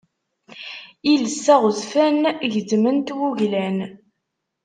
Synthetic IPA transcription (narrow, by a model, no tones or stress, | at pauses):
iləsːæʁəzfænʝədmənt̪wuʝlæn